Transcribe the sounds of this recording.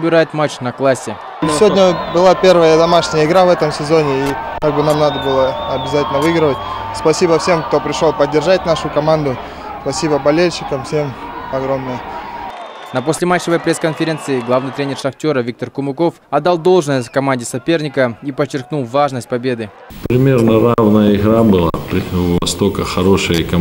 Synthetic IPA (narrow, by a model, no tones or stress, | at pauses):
bʲɪɾajɪt̪mat͡ɕnɐklˠasʲːɪ | sʲvodnʲəbɨlˠapʲe̞rvəjəd̪ɐmaʂnʲɪjəɪɡɾavɛt̪əmsʲɪzo̞nʲɪikaɡ̚bɨnamnad̪əbɨlˠəɐbʲɪzatʲɪlʲnəvɨɡɾɨvət̚ʲ | spɐsʲibəfsʲe̞mkt̪o̞pɾʲɪʂlˠolˠpədʲːɪrʐat̚ʲnaʂʊkɐmand̪ʊ | spɐsʲibəbɐlʲelʲɕɪkəmfsʲe̞mɐɡɾomnɨjə | nɐpo̞sʲlʲɪmat͡ɕːəvəjpɾʲeskənfʲɪɾʲe̞nt̪sɨɪɡlˠavnɨjt̪ɾʲenʲerʂɐxtʲo̞ɾəvʲik̚t̪ərkʊmʊko̞fɐd̪d̪ːalˠd̪o̞lˠʐnəjʲkɐmanʲdʲɪsɐpʲe̞rnʲɪkəipət͡ɕːɪrk̚nulˠvaʐnəsʲt̚ʲpɐbʲe̞d̪ɨ | pɾʲɪmʲe̞rnəɾavnəjəɪɣɾabɨlˠa̰pɾʲɪvɐst̪o̞kəxɐɾo̞ʂɨjəkɐ